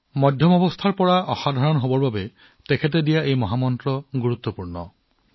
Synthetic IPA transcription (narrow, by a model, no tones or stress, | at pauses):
mɔd̪ʱjɔmɔbɔst̪ʰaɹpɔɹaʔɔxad̪ʱaɹɔnɔɦobɔɹbabe | tekʰet̬edijaʔejmɔɦamɔntɾɔɡuɹut̪ːɔpuɹɳɔ